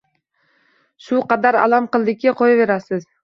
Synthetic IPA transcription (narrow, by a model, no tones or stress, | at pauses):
ʃuqɑd̪ɑɾɑ̰lˠɑmqɨlˠd̪ɪkʲːeqʰojɑβe̞ɾasɪz